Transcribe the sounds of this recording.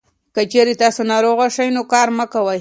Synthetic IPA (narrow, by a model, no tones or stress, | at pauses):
kət͡ʃeɾet̪ɑsonɑɾoɣaʃajnokɑɾməkawəj